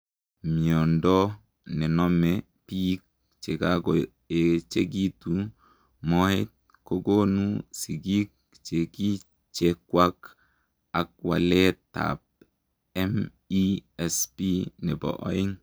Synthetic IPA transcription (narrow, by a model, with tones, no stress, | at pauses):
mi˨o˨ndɔ˦ | ne˨nɔ˦me | pi˦k̚ | t͡ʃe˨ka˦ɡo˨ | e˨t͡ʃe˦ɡi˦tu | mo˦hi˦t̚ | ko˦ɡo˦nu˦si˨ɡi˦k̚ | t͡ʃe˨ki˦ | t͡ʃekwa˦k | a˨k̚wa̰˨le˦ta̰˨p̚ | ɛ˦m | iɛ˨spinɛ˨bɔ̰˨ʔo̰˦i˦ŋ